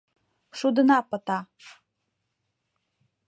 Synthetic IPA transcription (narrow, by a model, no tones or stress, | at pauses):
ʃud̪ɤ̆nɑpɤ̆t̪ɑ